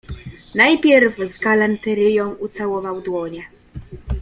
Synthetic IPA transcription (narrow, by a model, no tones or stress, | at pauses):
najpʲjɛɾvzɡalant̪ɛɾɘjɔ̃w̃ut̪sawɔvawd̪wɔɲɛ